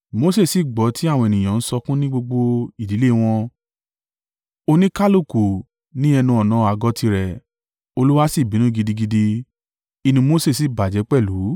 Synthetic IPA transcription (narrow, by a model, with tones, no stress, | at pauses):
mo˧˦se˦˨si˨ɡ͡bɔ˨˦tʰi˨˦a˦˨w̃ɔ̃˧e˨nĩ˨j̃ã˨n̩˦sɔ˧kũ˦nĩ˦ɡ͡bo˧ɡ͡bo˧i˨di˨˦le˦˨w̃ɔ̃˧ | o˧nĩ˦ka˦lo˦˨ku˨ | nĩ˦ɛ˧nũ˧ɔ˨nã˨˦a˨ɡɔ˧˦tʰi˧ɾɛ˨ | o˧lu˦wa˦si˦˨bi˨nũ˦ɡi˧di˧ɡi˧di˧ | i˧nũ˧mo˧˦se˦˨si˨ba˨d͡ʒɛ˨˦k͡pɛ˦˨lu˨˦